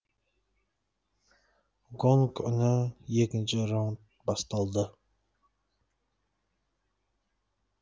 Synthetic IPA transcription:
ɡoŋkʰʊnɪjekʲɪnt͡ʃʰɪɾont̪̚ | bɑst̪ɑlˠd̪ə

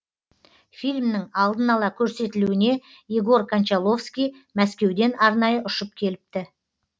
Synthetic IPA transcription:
fijlʲmnɪŋɑlˠd̪ənɑlˠɑkʲʰɵɾse̞t̪ɪluɪne̞ | jiɡo̞ɾkʰant͡ʃɑlˠo̞fskʲij | mæskʲe̞wd̪e̞nɑɾnɑjəʔʊʃəp̚kʲʰe̞lɪp̚t̪ɪ

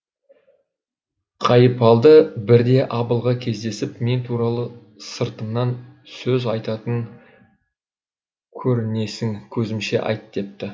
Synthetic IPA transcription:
qʰɑjəpɑlˠd̪əbɪɾd̪e̞ʔɑbəlˠʁɑkʲʰe̞zd̪e̞sɪpme̞nt̪ʰuɾɑlˠə | səɾt̪əmnɑnsɵzɑjt̪ɑt̪əŋ | kʲʰɵɾɪne̞sɪŋkʲʰɵzɪmʃe̞̰ʔɑ̰jt̪d̪̥e̞p̚t̪ɪ

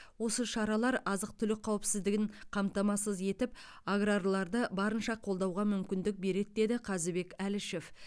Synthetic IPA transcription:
wo̞səʃɑɾɑlˠɑɾɑzəq̚t̪ʰʏlɪk̚qʰːɑwɪpsɪzd̪ɪɡʲɪɴqʰɑmt̪ɑmɑsəzje̞t̪ɪp̚ | aɡrarlˠɑɾd̪əbɑɾənʃɑqʰo̞lˠd̪ɑwʁɑmʏmkʲɪnd̪ɪk̚be̞ɾe̞d̪̚d̪e̞d̪ɪqʰɑzɪbe̞kʲælɪʃe̞f

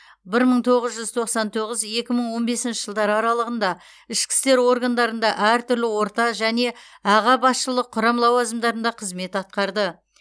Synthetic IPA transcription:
bɪɾməɴt̪ʰo̞ʁəzʒʏzt̪ʰo̞qsɑnt̪ʰo̞ʁəzje̞kʲɪməɴwo̞nbe̞sɪnʃɪʒəlˠd̪ɑɾɑɾɑlˠəʁənd̪ɑ | ɪʃkʲɪ̥st̪e̞ɾwo̞ɾɡɑnd̪ɑɾənd̪ɑʔæɾt̪ʰʏɾlɪwo̞ɾt̪ɑʒæne̞ | ɑʁɑbɑsʃəlˠəqʰːʊɾɑmlˠɑwɑzəmd̪ɑɾənd̪ɑqʰəzme̞t̪ɑt̪̚qɑɾd̪ə

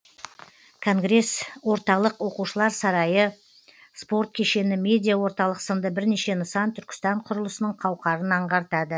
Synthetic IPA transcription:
kʰo̞ŋɡɾe̞swo̞ɾt̪ɑlˠəqwo̞quʃəlˠɑɾsɑɾɑjə | spo̞ɾt̪̚kʲʰe̞ʃe̞nɪmʲe̞d̪ʲijawo̞ɾt̪ɑlˠəqsənd̪əbɪɾne̞ʃe̞nəsɑnt̪ʰʏɾkʲɪ̥st̪ɑɴqʰʊɾəlˠəsənəɴqʰɑwqɑɾənɑɴʁɑɾt̪ɑd̪ə

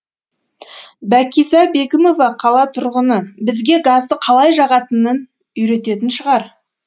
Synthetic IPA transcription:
bækʲijzɑbe̞kʲɪmo̞vɑqʰɑlˠɑt̪ʰʊɾʁənəbɪzɡʲe̞ɡazd̪əqʰɑlˠɑjʒɑʁɑt̪ənːən | ʏjɾe̞t̪e̞t̪ɪnʃəʁɑɾ

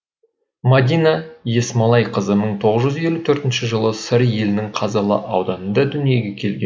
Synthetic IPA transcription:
mad̪ʲinaje̞smɑlˠɑjqʰəzəməɴt̪ʰo̞ʁəzʒʏze̞lut̪ʰɵɾt̪ɪnʃɪʒəlˠəsɪɾje̞lɪnɪŋqʰɑzɑlˠə̰ʔɑwd̪ɑnənd̪ɑd̪ʏnije̞ɡʲe̞kʲʰe̞lɡʲen

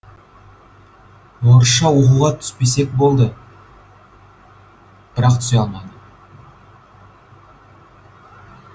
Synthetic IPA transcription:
woɾʃɑwo̞quʁɑt̪ʰʏ̥spe̞se̞k̚bo̞lˠd̪ə | b̥ɪɾɑq̚t̪ʰsjɑlˠmɑd̪ə

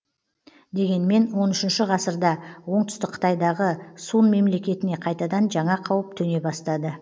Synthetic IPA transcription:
d̪e̞ɡʲe̞nme̞nwo̞nʏʃɪnʃɪʁɑsəɾd̪ɑwo̞ɴt̪ʏ̥st̪ɪk̚qʰə̥t̪ɑjd̪ɑʁəsunme̞mle̞kʲe̞t̪ɪne̞qʰɑjt̪ɑd̪ɑnʒɑɴɑqʰɑwəp̚t̪ʰɵne̞bɑst̪ɑd̪ə

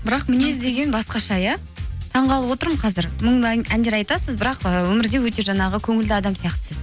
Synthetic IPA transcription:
bɪɾɑqmɪnezd̪e̞ɡʲe̞nbɑsqɑʃɑjɑ | t̪ʰɑɴʁɑlˠəpwo̞t̪əɾməɴqʰɑzɪɾməɴænd̪e̞ɾɑjt̪ɑsəzbɪɾɑqəwɵmɪɾd̪e̞wɵt̪e̞ʒɑnɑʁəkʲʰɵŋɪld̪ɪɑd̪ɑmsijɑqt̪ə̥sɪz

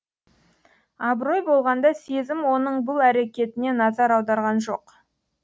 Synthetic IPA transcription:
ɑbɾo̞jbo̞lˠʁɑnd̪ɑse̞zɪmwo̞nəɴbʊlˠæɾe̞kʲe̞t̪ɪne̞nɑzɑɾɑwd̪ɑɾʁɑnʒo̞̰q

